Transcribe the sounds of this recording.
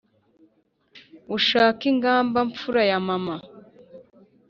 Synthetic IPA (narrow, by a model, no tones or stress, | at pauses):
uʃaːkiŋɡaːmbaɱp͡fuɾajamama